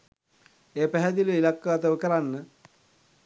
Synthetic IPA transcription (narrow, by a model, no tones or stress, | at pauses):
eːpæɦɛd̪iluilakːəat̪əʋəkəɾanːə